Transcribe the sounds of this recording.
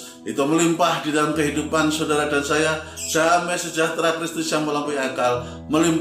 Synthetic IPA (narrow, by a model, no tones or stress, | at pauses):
ʔit̪uməlimpahdidalamkəɦidupansodaɾadansaja | samasəd͡ʒaht̪ɾakɾist̪ʊsjaŋməlampujakal | məlim